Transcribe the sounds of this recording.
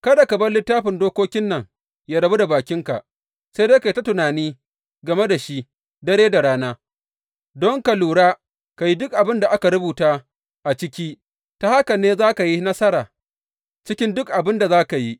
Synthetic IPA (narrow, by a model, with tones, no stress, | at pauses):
kɐ˦da˨kɐ˨bɐ˦rlɪ˦tːaː˦ɸɪ˨ndoː˦kʷoː˦kʲɪ˦nːɐ˨ŋ | jaː˦ɽɐ˨bu˦da˨baː˨kʲɪ˦ŋka̰˨ʔ | se˦deː˦ka˨ji˨ta˦tʊ˨naː˨niː˦ | ɡɐ˨me˦da˨ʃi˦ | dɐ˦ɽeː˦da˨ɽaː˦naː˦ | dɔ˦ŋka˨luː˨ɽaː˦ | ka˨ji˦dʊ˦k̚ʔa˨bɪ˦nda˨ʔa˦ka˨ɾʊ˦buː˨taː˦ | ʔa˨t͡ʃɪ˦kʲiː˦ | ta˨ha˦kɐ˨nːeː˦zaː˦ka˨ji˦nɐ˦sɐ˦ɾaː˨ | t͡ʃɪ˦kʲɪ˦ndʊ˦kʔa˨bɪ˦nda˨zaː˦ka˨ji˦